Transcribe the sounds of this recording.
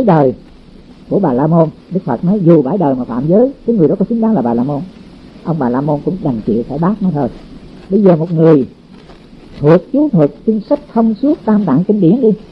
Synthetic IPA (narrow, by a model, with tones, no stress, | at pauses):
a˨˦jɗəː˨˩j | ku˧˩əɓaː˨˩laː˧mo˧nɗɨ˦˥k̚fə̰˨˩t̚nɔ˨˦jzu˨˩ɓaː˧˩jɗəː˨˩jmaː˨˩fa̰ː˧˨mzəː˨˦jkaː˨˦ŋ˨˩əjɔ˨˦kɔ˨˦sɨ˨˦ŋɗaː˨˦ŋlaː˨˩ɓaː˨˩laː˧mo˧n | ʔə˧wŋ͡mɓaː˨˩laː˧mo˧nkʊ̰˧˥ŋ͡mɗa˨˩ŋ̟t͡ɕḭ˧˨wfaː˧˩jɓaː˦˥k̚nɔ˨˦jt̪ʰo˧˩j | ɓə˧jzəː˨˩mo˨˩t̚ŋɨ˨˩əj | t̪ʰu˨˩ək̚t͡ɕu˨˦t̪ʰwə˨˩t̚t͡ɕi˧ŋsa˦˥k̚t̪ʰə˧wŋ͡msu˦˥ət̚t̪aː˧mt̪a̰ː˧˨ŋki˧ŋ̟ɗi˧˩ənɗi˧